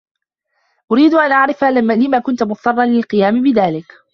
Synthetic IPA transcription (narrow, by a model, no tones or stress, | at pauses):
ʔʊɾiːd̪ʊʔanʔaʕɾɪfaːlɪmaːkʊnt̪ʊmʊˤɑrˤːɑnlɪlqɨjaːmɪbɪðaːlɪk